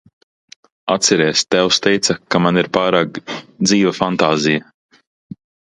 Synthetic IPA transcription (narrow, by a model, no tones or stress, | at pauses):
a̰t̪sɛɾɛːst̪ɛwst̪ɛjt̪sɐkamaniɾpaːɾaːkd̪ziːvafant̪aːzija